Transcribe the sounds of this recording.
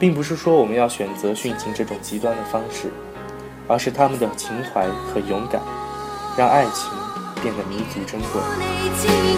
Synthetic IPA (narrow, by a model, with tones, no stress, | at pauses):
pi˥˩ŋpu˧˥ʂ̬ɻ̩˥˩ʂwɔ˥wɔ˨˩mə˧˦njɑ˥˩ʊɕɥɛ˨˩nt͡sɤ˧˥ɕy˥˩nt͡ɕʰi˧˥ŋʈ͡ʂɤ˥˩ʈ͡ʂʊ˨˩ŋt͡ɕi˧˥t̪wa˥nd̪ə˨fɑ˥ŋʂɻ̩˥˩ | ə˞˧˥ʂɻ̩˥˩t̪ʰa˥mə˨nd̪ə˩t͡ɕʰi˧˥ŋxwa˧˥ɪxɤ˧˥jʊ˧˥ŋka̰˨˩˦nɻɑ˥˧ŋʔa˥˩ɪt͡ɕʰi˧˥ŋpjɛ˥˩nd̪ə˩mi˧˥t͡su˧˥ʈ͡ʂə˥ŋkwḛ˥˩